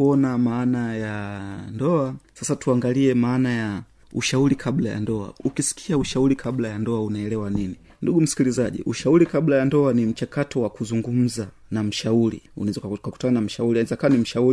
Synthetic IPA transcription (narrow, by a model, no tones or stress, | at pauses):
uɔnamaːnajandɔasasatuaŋɡaliɛmaːnaja | uʃauɾikʰablaja̰ndɔa̰ukisi̥kʰiauʃauɾikʰablajandɔaunaɛlɛwanini | nduɡum̩si̥kilizaʄḭʔuʃauɾikablajandɔanim̩t͡ʃakatɔwakuzuŋɡum̩za | nam̩ʃauɾḭṵnzkaku̥tananam̩ʃauɾiazakawanim̩ʃauɾi